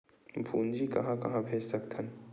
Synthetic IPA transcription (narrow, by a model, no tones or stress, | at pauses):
bʱṵːnd͡ʒikɐ̰ɦãkɐ̰ɦãbʱeːd͡ʒsəkt̪ʰən